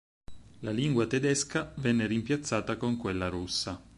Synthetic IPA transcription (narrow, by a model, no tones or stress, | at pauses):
laliŋɡwat̪ed̪eskavɛnːeɾimpjat̪sːaːt̪akoŋkwelːaɾusːa